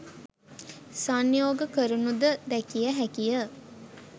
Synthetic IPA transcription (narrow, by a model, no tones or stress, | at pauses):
sanjoːɡəkəɾunud̪əd̪ɛkijəɦækijə